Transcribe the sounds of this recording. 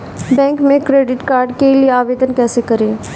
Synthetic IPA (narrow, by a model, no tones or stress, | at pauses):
bɛ̃ːŋkmẽkɾeːɖɪʈkaːɾɖkelieaːʋeːd̪ənkɛːsekɐɾẽː